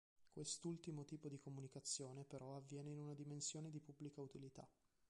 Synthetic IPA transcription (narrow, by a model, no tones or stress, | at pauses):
kwest̪ult̪imot̪iːpod̪ikomunikat̪sːjoːnepeɾʔɔavːjɛːneinunad̪imensjoːned̪ipubːlikaut̪ilit̪a̰